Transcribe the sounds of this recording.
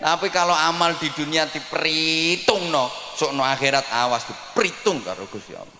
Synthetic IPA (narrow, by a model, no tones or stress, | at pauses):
napikaloamald̪̥i̤d̪̥ṳniad̪i̤pɾit̪ʊŋnɔsoʔnoaxeɾat̪̚awasd̪̥i̤pɾit̪ʊŋka̰ɾoɡ̥ust̪ḭɔ̰pɔ